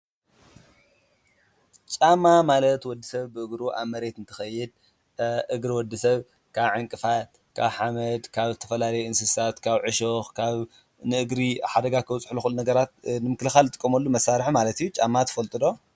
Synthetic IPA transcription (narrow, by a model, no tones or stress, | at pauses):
t͡ʃʼamamalɐt̪wɔd̪ːisɐβbɨʔɨɡɾuʔa̰βmɐɾe̞t̪ɨnt̪ʰɨ̥xɐjːɪd̪̚ | ʔɨɡɾiwɔd̪ːisɐβ | kʰaβʕɨŋkʼɨfat̪̚ | kʰaβħamɐd̪kʰaβt̪ʰɐ̥fɐlalɐjɛɨnsɨsat̪kʰaβʕɨʃoxkʰaβ | nɨʔɨɡɾiħad̪ɐɡakʰɨwt͡sʼħluxulnɐɡɐɾat̪nɨmɨklɨxalt̪ʼɨ̥kʼːɐmɐlːumɐsaɾħmalɐt̪ijːut͡ʃʼamːat̪ʰɐ̥fɐlt̪ʼɨd̪o̞